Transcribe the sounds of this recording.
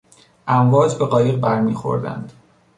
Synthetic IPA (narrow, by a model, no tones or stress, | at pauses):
ʔæɱvɒːd͡ʒbe̞ɣɒːjeʁbæɾmiːxo̞̰ɾd̪æ̰nd̪̥